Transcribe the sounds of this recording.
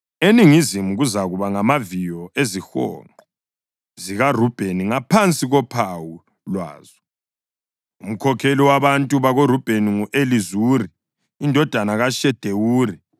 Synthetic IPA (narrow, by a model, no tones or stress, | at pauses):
eniŋizimuɣuzaɣuβaŋamavijɔezixɔ̰ːŋ͡ǃɔ | ziɣarub̥ʱeniŋapʰant͡sʼiɣɔpʰawu | lwa̰ːzɔ | um̩kʰɔkʰeliwaβantʼuβaɣorub̥ʱeniŋuʔelizuːriː | ndʱɔd̥ʱanaɣaʃɛd̥ʱewuːri